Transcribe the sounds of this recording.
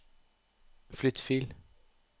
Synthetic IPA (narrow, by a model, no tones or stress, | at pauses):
flʏt̪fiːl